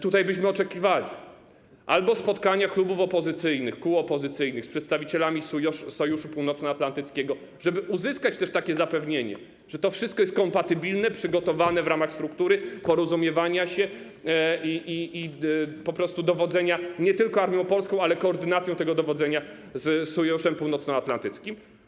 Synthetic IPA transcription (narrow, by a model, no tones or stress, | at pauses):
t̪ut̪ajbɘɕmɘɔt͡ʂɛkʲivalʲi | ʔalbɔspɔt̪kaɲaklubufɔpɔzɘt̪sɘjnɘxkuɔpɔzɘt̪sɘjnɘxspʂɛt̪st̪avʲit͡ɕɛlamʲisɔjuʂupuwnɔt̪snɔat̪lant̪ɘt̪skʲeɡɔ | ʐɛbɘʔuzɘskat͡ɕt̪ɛʂt̪akʲɛzapɛvɲeɲɛ̰ | ʐ̥ɛt̪ɔfʂɨst̪̚kɔjɛst̪̚kɔmpat̪ɘbʲilnɛpʂɘɡɔt̪ɔvanɛvɾamaxst̪ɾukt̪uɾɘpɔɾɔzumʲjɛvaɲaɕɛ | iiipɔpɾɔst̪ud̪ɔvɔd̪zɛɲaɲɛt̪ɘlkɔaɾmʲjɔ̃w̃pɔlskɔ̃w̃alɛkɔːɾd̪ɘnat̪sjɔ̃t̪ɛɡɔd̪ɔvɔzɛɲa | zsɔjuʂɛmpuwnɔt̪snɔat̪lant̪ɘt̪skʲim